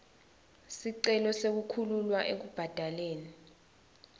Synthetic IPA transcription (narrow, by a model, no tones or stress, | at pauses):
siǀɛlɔsek̬ukʰululwaʔek̬ub̥ʱad̥ʱaleːni